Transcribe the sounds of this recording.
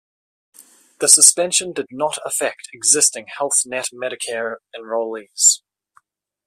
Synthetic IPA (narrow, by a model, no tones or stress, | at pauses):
ðəsəspɛ̃nʃə̃ndɪdⁿnətəfɛk̚tʰɪɡzɪstɪ̃ŋhɛlˠθnɛtmɛɾɪkʰɛɹə̃nɹəʊlˠiːvz̥